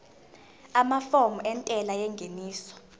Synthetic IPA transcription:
amafomuɛntʼɛlajɛŋɡʱeniːsɔ̥

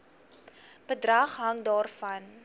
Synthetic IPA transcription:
bədrɐχɦɐŋdɑːrfɐn

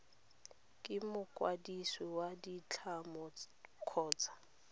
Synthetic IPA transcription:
kʼɪmʊkʼwadiswɛwadit͡ɬʰamɔ | kʰɔːt͡sʰʼḁ

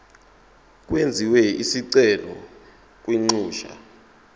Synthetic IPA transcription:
k̬ʼwend͡zʱiwɛisiǀɛlɔ̰ | k̬ʼwiŋ͡ǀuːʃa̰

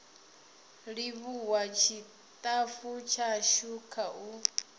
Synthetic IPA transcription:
ɺiβuwat͡ʃʰi | t̪ʼafut͡ʃʰaʃukʰaʔu

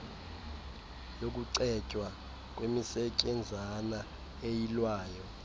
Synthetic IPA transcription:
jok̬ʼuǀɛt͡ʃʼwa | k̬ʼwemisɛcʼɛnd͡zʱana | ejilwaːjɔ

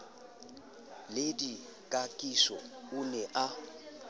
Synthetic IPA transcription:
ledi | kʼakʼiʃɔunɛʔa

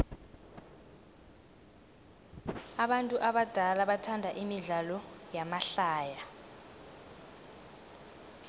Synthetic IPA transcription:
aɓantʼuʔaɓad̥ʱalaɓatʰandʱaʔimiɮalɔjamaɬaːja

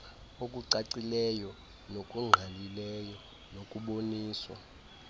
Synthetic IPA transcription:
okʼuǀaǀilɛjɔ | nokʼuŋ͡ǃʱalilɛjɔ | nokʼuɓoniːswa̰

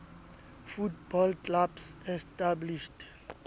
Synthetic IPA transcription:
futbɔlklabsɛstabliʃt

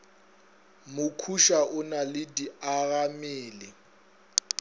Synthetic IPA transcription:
mʊkʰuʃaʔʊnalɪdiaɣamiːlɪ

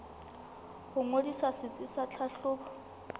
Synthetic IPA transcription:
χʊŋodisasɪt͡sʼɪsat͡ɬʰaɬʊːbɔ

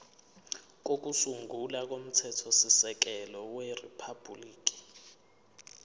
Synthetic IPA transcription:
k̬ok̬usuŋɡʱulak̬ʼom̩tʰɛtʰɔsisɛk̬ɛlɔweripʰab̥ʱuliːk̬ʼi̥

